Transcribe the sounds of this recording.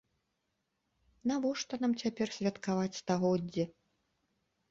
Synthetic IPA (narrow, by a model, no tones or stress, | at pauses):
navɔʂt̪ɔnamt͡sʲapʲɛrsʲvʲɐt̪kavat͡sʲst̪aɣɔd͡zʲːi